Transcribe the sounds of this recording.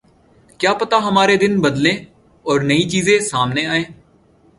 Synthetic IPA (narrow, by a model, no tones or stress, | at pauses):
kjaːpət̪aːɦəmaːɾeːd̪ɪnbəd̪lẽː | ɔːɾnəĩːt͡ʃiːzẽːsaːmneːaːẽː